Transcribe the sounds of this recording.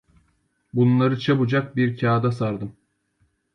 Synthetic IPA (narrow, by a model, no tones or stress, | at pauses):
bunlˠaɾɯt͡ʃʰabud͡ʒak̚biɾcʰaːd̪asaɾd̪ɯm